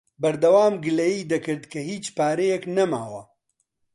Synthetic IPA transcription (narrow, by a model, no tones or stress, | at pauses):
bɐɾd̪ɐwaːmɡɨlejiːd̪ɐkɨɾd̪kʰɐhiːt͡ʃpaːɾejɛknɐma̰ːwɐ